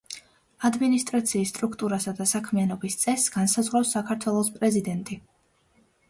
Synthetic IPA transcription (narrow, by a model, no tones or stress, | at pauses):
ad̪minist̪ʼɾat̪sʰiːsːt̪ʼɾukʰt̪ʼuɾasad̪asakʰmianɔbist̪sʼɛsɡ̥ansazʁwafsːakʰaɾt̪ʰwɛlˠɔspʼɾɛzid̪ɛnt̪ʼi